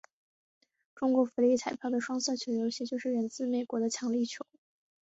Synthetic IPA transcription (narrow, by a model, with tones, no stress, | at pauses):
ʈ͡ʂʊ˥ŋkwɔ˧˥fu˧˥li˥˩t͡sʰa˨˩ɪpʰjɑ˥˩d̪ə˩ʂwɑ˥ŋsɤ˥˩t͡ɕʰjo˧˥ʊjo˧˥ʊɕɛ˥t͡ɕjo˥˧ʊʂɻ̩˥˩ɻə˧˥nt͡sɹ̩˥˩me˨˩ɪkwɔ˧˥d̪ə˧t͡ɕʰjɑ˧˥ŋli˥˩t͡ɕʰjo˧˥ʊ